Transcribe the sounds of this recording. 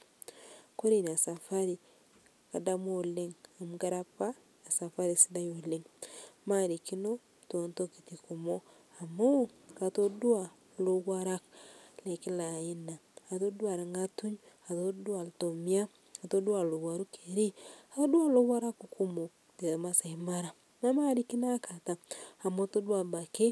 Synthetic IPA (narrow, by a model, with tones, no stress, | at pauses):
ko˦ɾi˨n˨a˨sa˨fa˦ɾi | ka˨da˦mwo˨le˦ŋa˨muɡa˦ɾa˦paː˦˨ | sa˨fa˦ɾi˨sida˦jo˨leŋma˦ɾi˨ki˦no˦ | tonto˦ki̥˨tiku˨mo˦ | a˨mo˦ka˨to˦du˦a˨ | lo˦ɣwa˦ɾa˦kle˨ki˦lai˦naː˨to˦dwa˨ɾa˨ŋɡatu˦ɲ | atoda˨ltomia˦ | ka˨to˦du˦a˨lo˨ɣwaɾukeɾi˦ato˦dwa˦lo˦βwa˦ɾa˦kuku˦mo | de˨masaimaɾa˨ | na˦ma˦ɾiki˦nakata˨a˨mo˦todwa˨βa˨ke˦